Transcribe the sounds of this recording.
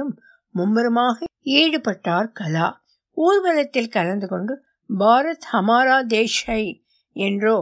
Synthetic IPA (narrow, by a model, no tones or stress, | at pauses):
ɯmː | ʊmːɐɾɯmaːɣɐiːɽɯpɐʈːaːɾkɐla̰ː | uːɾʋɐlɐt̪ːɪlkɐlɐnd̪ɯkɔɳɖɯ | bʱaːɾɐt̪ɐmaːɾaːd̪eːʂɐɪ | ɛndroː